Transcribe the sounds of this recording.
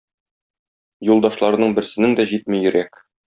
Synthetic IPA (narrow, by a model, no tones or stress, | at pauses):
julˠd̪ɑʃlˠɑɾɤ̆nɤɴbɘ̆ɾsɘ̆nɘŋd̪æʑit̪̚mɘjɵ̆ɾæk